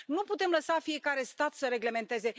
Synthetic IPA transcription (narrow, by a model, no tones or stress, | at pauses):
nuput̪e̞mləsafije̞kaɾe̞st̪at̪səɾe̞ɡle̞me̞nt̪e̞ze̞